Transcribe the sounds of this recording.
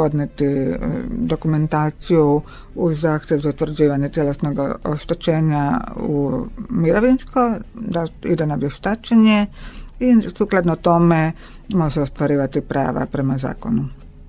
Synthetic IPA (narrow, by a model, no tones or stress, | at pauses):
po̞d̪net̪i | d̪o̞kume̞nt̪aːt̪siju | uzːaːxt̪jeʋzaut̪ʋr̩d͡ʑiːʋaɲe̞t̪je̞lesno̞ɡo̰ʃt̪et͡ʃe̞ːɲaumiɾoʋinsko̞d̪aḭd̪enaʋje̞ʃt̪at͡ʃeɲe̞isuklˠad̪not̪o̞me | mo̞ʒeost̪ʋaɾiːʋat̪ipɾa̰ːʋa̰pɾe̞maza̰ːko̞nu